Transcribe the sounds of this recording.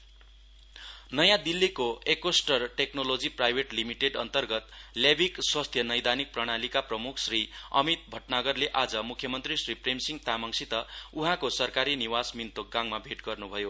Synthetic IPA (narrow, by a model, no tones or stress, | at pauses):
nʌjãd̪ilːikoekwosʈʌrʈeknolod͡ziprajbʱeʈlimiʈeɖʌnt̪ʌrɡʌt̪ljabʱikswast̪ʰjʌnʌjd̪anik̚prʌɽ̃alikaprʌmukʰsriʌ̰mit̪̚bʱʌʈnaɡʌrleʔad͡zʌmukʰːjʌmʌnt̪risripremsiŋɡt̪amʌŋsit̪ʌuɦãkosʌrkaɾiniwasmint̪ok̚ɡaŋmabʱeʈɡʌrnubʱʌjo